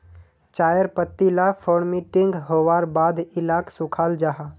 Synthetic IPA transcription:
t͡ʃaːjəɾpət̪ːilafʰoːɽmĩʈɪ̃ŋɡɦoːʋaːɾbaːd̪ɪlaːksʊkʰaːld͡ʒaːɦa

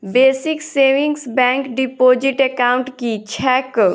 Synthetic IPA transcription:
beːsikseʋĩŋɡsbɛ̃ŋkɖipoːd͡ʒiʈekaʊ̃ɳʈkit͡ʃʰɛːk

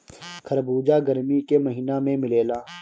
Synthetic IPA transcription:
kʰɐɾbuːd͡ʒaːɡəɾmikeməɦiːnamẽmɪleːlaː

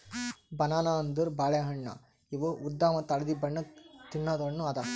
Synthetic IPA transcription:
bɐnaːnaːnd̪ɯɾbaːlɐjɐɦɐɳːa̰ː | iʋoud̪ːaːmɐt̪ɐlɐðibɐɳːɐt̪inːaːd̪ɐɳːũɐd̪aː

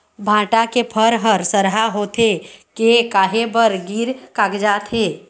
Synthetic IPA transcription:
bʱãːʈakepʰəɾɦəɾsəɾɦaɦoːt̪ʰekekaːɦebəɾɡiːɾkaːkd͡ʒaːt̪ɦeː

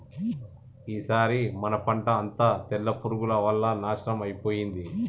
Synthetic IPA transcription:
iːsaːɾimɐnɐpɐɳʈɐːnt̪aːt̪ɛlːɐpuɾuɡulɐʋɐlːɐnaːʃɐnɐmɐjpo̞ːjind̪i

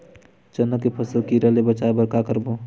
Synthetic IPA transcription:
t͡ʃənːəkːepʰəsəlkiɾəlebət͡ʃabəɾkakəɾbo

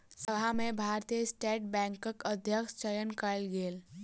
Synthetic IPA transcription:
səbʱamẽbʱaːɾt̪ijəsʈeːʈ̚bɛ̃ːŋkəkəd̪ʱjəkʃt͡ʃəjənkəlɡeːl

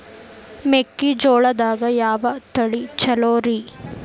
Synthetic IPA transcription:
mekːid͡ʒoːɭɐd̪aːɡɐjaːʋɐt̪ɐɭit͡ʃɐloːɾi

